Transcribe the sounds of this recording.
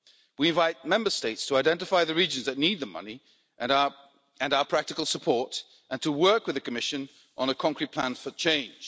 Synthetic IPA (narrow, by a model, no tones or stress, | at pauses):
wiɨ̃nvaɪt̚mɛ̃mbə˞steɪtstʰəaɪdɛ̃ntɨfaɪðɨɹid͡ʒɨ̃nzðɨtⁿnid̪̚ðəmʌ̰ni | ɨ̃naʊə˞pʰɹ̥æk̚tɨkl̩ˠsəpʰɔɹɾ | ʔɨ̃ntʰəwɜ˞kwɨðɨkʰɨmɪʃɨ̃n | ʔə̃nəkʰɑ̃ŋkɹit̚pʰl̥æ̃nfə˞t͡ʃʰẽɪ̃nʒ̥